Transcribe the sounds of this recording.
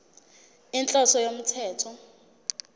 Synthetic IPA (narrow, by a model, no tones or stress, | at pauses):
int͡ɬʼɔsɔjom̩tʰɛːtʰɔ